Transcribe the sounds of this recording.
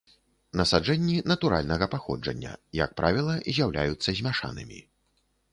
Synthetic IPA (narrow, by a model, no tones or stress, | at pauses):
nɐsad͡ʐɛnʲːinɐt̪uɾa̰lʲnɐɣɐpaxɔ̰d͡ʐɐ̰nʲːɐ̰jɐ̰k̚pɾʔavʲilˠɐzʲjawlʲa̰jut̪sːɐzʲmʲaʂa̰nɨmʲḭ